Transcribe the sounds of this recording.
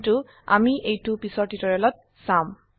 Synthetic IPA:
tʊ | a̰miʔejtʊpisɔɹtitɔɹɛlɔt̚ | sãm

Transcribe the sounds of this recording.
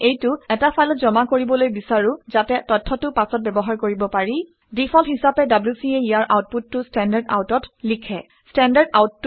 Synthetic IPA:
ejtʊɛtapʰajlɔtzɔmakoɹibɔlojbisaɹʊzatɛtɔtʰːɔtʊpasɔt̚bɛbɔɦaɹkoɹibɔpaɹi | dipʰɔlhisapɛdablusieijaɹʔawt̚putːʊstɛndaɹda̰wtɔtlikʰɛ | stɛndaɹdawtː

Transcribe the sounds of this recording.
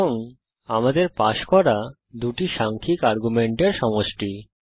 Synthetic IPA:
oŋ | amad̪eɾpaʃkɔɾa | d̪uʈiʃaŋkʰikaɾɡumeɳʈeɾʃɔmoʃʈi

